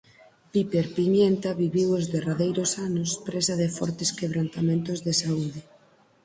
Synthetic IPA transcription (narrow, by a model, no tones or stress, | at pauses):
pipeɾpimjent̪aβiβiwozðeraðejɾosanospɾesaðefɔ̰ɾt̪eskeβ̞ɾant̪amẽnt̪ozðesauðe